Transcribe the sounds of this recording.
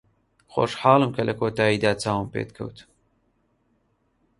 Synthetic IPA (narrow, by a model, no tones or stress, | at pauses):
xo̰ːʃħɑːlˠɨmkʰɐlʔɐkʰoːt̪aːiːd̪aːt͡saːwɨmpḛːt̪̚kʰɐ̰wt̪ʰ